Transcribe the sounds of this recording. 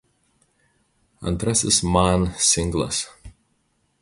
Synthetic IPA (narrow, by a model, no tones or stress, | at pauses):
ã̰nt̪ɾɛsɪsmãnsɪ̃ŋɡlə̰s